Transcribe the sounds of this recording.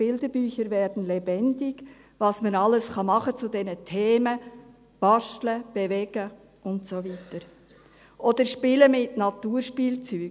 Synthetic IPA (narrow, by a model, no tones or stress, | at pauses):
ɪldəbyːçəɾvɛːɾdn̩lɛbɛndɪɡ̥ | vɑsmənɑləsχɑmɑχət͡sʊdɛnətʰeːmə | b̥ɑʃtləb̥evɛɡ̥ə | ʔʊntsovitəɾ | ʔɔd̥̪əɾʃpɪləmɪtnɑtuːɾʃpiːlt͡syː